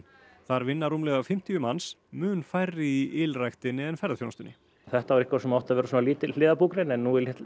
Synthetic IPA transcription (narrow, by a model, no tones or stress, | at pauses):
θaɾvɪnːarumlɛːɣafɪm̥t̪iʏmansmʏːnfajɾːɪiʔɪlrajxt̪ɪnːɪðɛnfɛɾaθfjownast̪ʏnːɪ | θɛht̪avaɾɪhkvasɛmawht̪avɛɾʏsunaliːt̪ɪl̥ɪːðapuːkɾejnɛnːuɪlɛt̪